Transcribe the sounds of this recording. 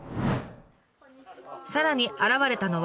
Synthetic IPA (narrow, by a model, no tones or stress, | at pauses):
saɾaɲ̟iʔaɾaβaɾe̞t̪ano̞β